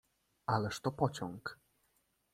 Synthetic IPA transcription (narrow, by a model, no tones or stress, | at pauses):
alɛʂt̪ɔpɔt͡ɕɔŋk